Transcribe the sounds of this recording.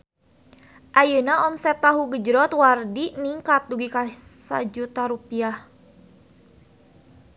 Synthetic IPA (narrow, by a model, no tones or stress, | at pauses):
ʔajənaɔmsɛt̪ːaɦuɡəd͡ʒɾɔt̪wardiniŋkat̪̚duɡikasa̰d͡ʒut̪aɾupiah